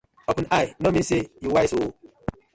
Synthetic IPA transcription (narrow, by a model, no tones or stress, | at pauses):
ɔpunainomisejiwaisu